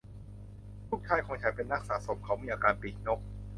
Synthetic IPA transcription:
t̪ʰuː˦˥˩k̚t͡ɕ̪ʰaː˧˥˩jkʰɔː˨˦ŋt͡ɕʰa˨˦jpe˧nːa˦˥k̚sa̰ː˩˦so˩˦mkʰa˨˦˥wmiː˧ʔaː˧kaː˧npi˨˩t̚no˦˥k̚

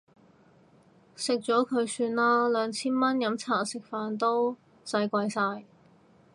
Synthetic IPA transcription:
sɪ˨k̚t͡ʃɔː˨˥kʰɵ˨˧ɥsyː˧nlaː˥lœː˨˧ŋt͡sʰiː˥nmɐ˥njɐ˨˥mt͡sʰaː˨˩sɪ˨k̚faː˧nt̪o˥w | sɐ˧jkʷɐ˧jsaː˧j

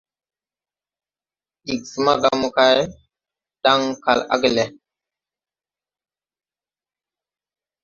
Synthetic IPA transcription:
i˨ksi˨ma˦ɡa˦mu˦ka˦j | ɗa˦ŋka̰˨la̰˦ɡi˨le˨

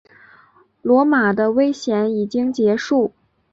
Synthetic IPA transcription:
lwɔ˧˥ma˨˩d̪ə˦we˥ɪɕjɛ˧˥ni˨˩t͡ɕi˥ŋt͡ɕjɛ˧˥ʂu˥˩

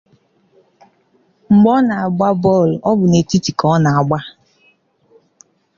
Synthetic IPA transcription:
ŋ͡m̩˨ɡ͡bɔ˦na˨a˨ɡ͡ba˦bɔ˦˨lɔ˦bʊ˨ne˨ti˦ti˨kɔ˦na˨a˨ɡ͡ba˦

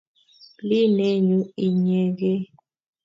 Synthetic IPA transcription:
li˦ne˦ɲu˦i˨ɲe˨ɡe˦

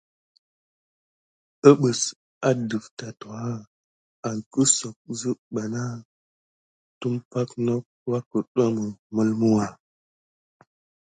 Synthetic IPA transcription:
ə˦ɓə˨s | a˦də˨fta˨to˨a˦ | a˨ŋkə˦so˨k̚zə˦ɓa˨na˦ | tu˦mpa˦kno˦k̚wa˦kə˨ɗa˦mə˨mə˦lmu˦wa˨

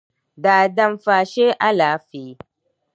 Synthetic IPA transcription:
daː˨dɐ˦mfaː˨ʃeː˦ʔa˦laː˨˦feː˨˦

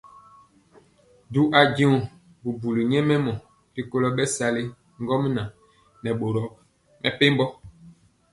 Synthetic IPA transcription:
du˦ʔa˨ɟi˦u˨ | bu˨bu˨li˨ɲɛ˦mɛ˦mɔ̃˨ | bi˨ko˦lɔ˦ɓɛ˦sa˨le˦ | ŋ˦ɡɔ˦m˦nã˨ | nɛ˨ɓo˨ɾɔ˨ | mɛ˨pe˦m˦bɔ˦

